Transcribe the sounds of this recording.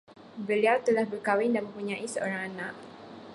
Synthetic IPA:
bəliawt̪əlahbərkawɪndamə̃mpuɲãʔisəʔoɾaŋanaʔ

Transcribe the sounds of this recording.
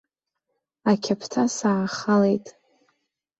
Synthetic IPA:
akʲʰapʰtʰasaʕaχalejtʼ

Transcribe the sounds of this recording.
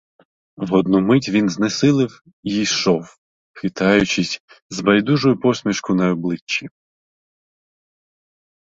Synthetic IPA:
ʋɔd̪numɪtʲʋʲinznesɪlˠɪw | iijʃɔw | xɪt̪ɑjʊt͡ʃɪsʲ | zbɐjd̪uʒʊjʊpɔsʲmʲiʃkʊnɐɔblˠɪt͡ʃːi

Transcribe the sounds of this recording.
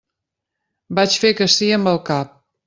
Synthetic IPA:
bat͡ʃfekəsiəmbəlˠkap̚

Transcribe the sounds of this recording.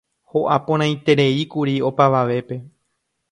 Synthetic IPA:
ho̞ʔapõɾ̃ãj̃t̪e̞ɾe̞ikuɾio̞paʋaʋe̞pe̞

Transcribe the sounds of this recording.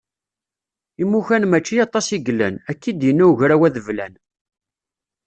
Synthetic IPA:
imːuçænmæt͡ʃːijɑt̪ˤːɑsiɡlːæ̰nækːid̪jənːæuʝɾæwæðəvlæn

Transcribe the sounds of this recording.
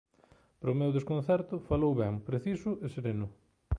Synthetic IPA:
pɾʊmewðeskõn̟θɛɾt̪ʊfalowβɛŋpɾeθisʊʔeseɾenʊ

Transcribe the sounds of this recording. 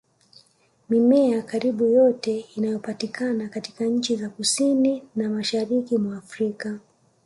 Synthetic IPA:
mimɛakaɾiɓujɔtɛinajɔpatikʰanakatikaɲ̩t͡ʃizakusininamaʃaɾikimwaːfɾika

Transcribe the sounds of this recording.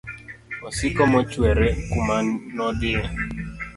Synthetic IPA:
ɔsɪkɔmɔt͡ʃweɾekumanɔdɪa

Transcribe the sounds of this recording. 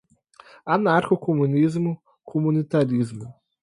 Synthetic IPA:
anaɾxokomunizmu | xumunit̪aɾizmu

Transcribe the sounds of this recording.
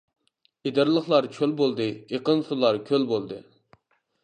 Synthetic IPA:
id̪ɨɾlˠəχlˠɑɾkʲʰølbolˠd̪ɨeqənsulˠɑɾkʲʰølbolˠd̪ɨ

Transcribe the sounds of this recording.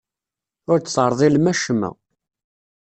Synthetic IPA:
ʊɾt͡sːθəɾˤðˤilmæʃəmæ̰

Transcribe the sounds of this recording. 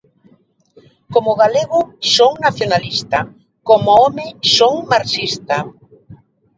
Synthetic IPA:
komʊɣaleɣʊsoŋnaθjonalist̪a | komoɔmɪsoŋmaɾsist̪ɐ

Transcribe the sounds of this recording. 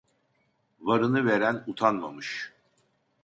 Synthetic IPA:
vaɾɯnɯveɾænut̪ʰanma̰mɯʃ

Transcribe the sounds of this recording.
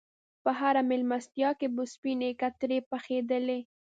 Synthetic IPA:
pəɦaɾamɪlmast̪jɑkebʊspinekat̪ɾepaxed̪əle

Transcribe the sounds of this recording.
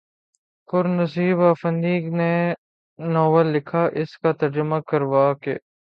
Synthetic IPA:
pʊɾnɐsiːbaːfə̃nd̪iːɡne | nɔːʋəlːɪkʰaʔɪskat̪ɐɾd͡ʒəmakɐɾʋaːkeː

